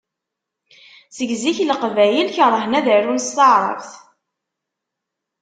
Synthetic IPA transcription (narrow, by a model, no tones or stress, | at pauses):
səɡziçləqvæjəlçəɾˤəhnæðəɾunst̪əʕɾˤə̰vθ